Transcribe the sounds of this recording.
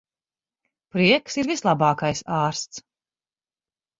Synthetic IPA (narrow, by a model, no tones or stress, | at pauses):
pɾiɛksiɾvislˠɑbɑːkajsaːɾst̪s